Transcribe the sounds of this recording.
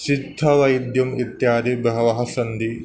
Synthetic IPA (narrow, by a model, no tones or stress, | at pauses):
ʃid̪ʱːɐʋɐjd̪jɐmit̪jaːd̪ibɐɦɐʋɐɦɐsɐnd̪i